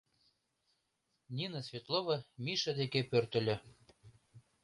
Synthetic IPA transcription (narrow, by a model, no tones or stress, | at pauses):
nʲinəsʲvʲet̪lˠovɤ̆mʲiʃɤd̪ekepørt̪ɘ̆lʲɘ̆